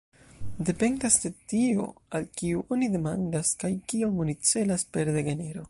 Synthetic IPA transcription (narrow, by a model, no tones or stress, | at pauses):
de̞pe̞ndasde̞tio̞̰alkiuʔo̞nide̞mandaskajkiomonit͡se̞laspe̞ɾde̞ɡe̞ne̞ɾo̞